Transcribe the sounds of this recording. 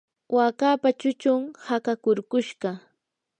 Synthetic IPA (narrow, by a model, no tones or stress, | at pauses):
wʔakaːpat͡ʃʊt͡ʃʊŋhakakʊɾkʊʃɢɑ